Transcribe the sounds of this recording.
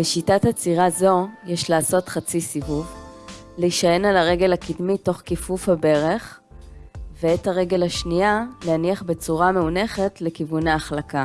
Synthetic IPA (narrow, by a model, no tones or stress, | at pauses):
beʃitathat͡siʁazo̞jeʃlaːso̞tχat͡sisivuvleiʃaje̞nalaʁe̞ɡe̞lakidmito̞χkifufhabe̞ʁe̞χ | veethaʁe̞ɡe̞laʃnialeaniaχbe̞t͡suʁame̞une̞χe̞tle̞kivunaːχlaka